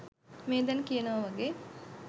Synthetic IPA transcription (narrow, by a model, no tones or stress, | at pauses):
meːd̪ɐnkijɐnəʋɐʋɐɡeː